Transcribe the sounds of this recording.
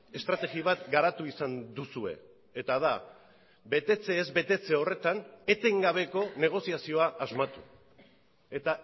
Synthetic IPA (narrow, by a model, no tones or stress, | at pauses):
e̞st̪ɾat̪e̞ɣiβ̞at̪ɡaɾat̪uisand̪usue̞̰ | et̪aða | be̞t̪e̞t͡se̞ːzbe̞t̪e̞t͡se̞o̞re̞t̪ane̞t̪e̞ŋɡaβ̞e̞ko̞ne̞ɣ̞o̞siasio̞aʔːzmat̪u | e̞t̪a